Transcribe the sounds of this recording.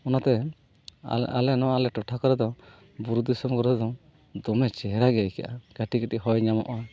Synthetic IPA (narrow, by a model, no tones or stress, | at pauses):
ɔnat̪ɛ | a̰lɛnɔalɛʈɔʈʰakɔɾɛd̪ɔ | buɾud̪isɔmkɔɾɛd̪ɔ | d̪ɔmɛt͡ʃɛɦɾaɡɛjka̰ʔa̰ɡ̥aʈikatiɦɔjɲamɔʔɔ